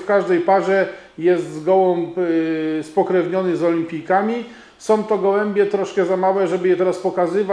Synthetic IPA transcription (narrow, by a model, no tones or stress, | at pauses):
fkaʐd̪ɛjpaʐɛ | jɛst̪zɡɔwɔ̃m | spɔkɾɛvɲɔnɘzɔlʲimpʲijkamʲi | sɔ̃w̃t̪ɔɡɔwɛmbʲjɛt̪ɾɔʂkɛzamawɛʐɛbɘjɛt̪ɛɾaspɔkazɘva